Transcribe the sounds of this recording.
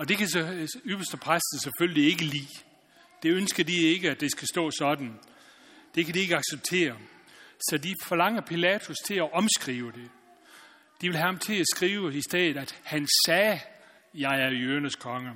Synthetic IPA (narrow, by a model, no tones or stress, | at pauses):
ɒ̽d̥e̝kʰæsyb̥ɐsd̥əpʰʁasd̥n̩seføllie̝ɡ̥əlḭː | d̥e̝ønsɡ̥ɐd̥ie̝ɡ̥əæd̥e̝sɡ̥æsd̥ɔ̰ːsɒ̽d̥n̩ | d̥e̝kʰædie̝ɡ̥əɑ̈ɡ̥seb̥̚t͡sʰe̝̰ːɐ | sɒ̽difɒ̽lɑ̈ŋ̰ɐpʰilɛːt͡sʰust͡sʰe̝læʔɒ̽msɡ̥ʁiːʊəd̥e̝ | d̥iʋe̝lɦæhɑmt͡sʰe̝æsɡ̥ʁiːʊəisd̥ɛ̰ːðð̩ˠæd̥hænsɛː | jɑ̈ɪæɐjøɐnəskʰɒ̽ŋə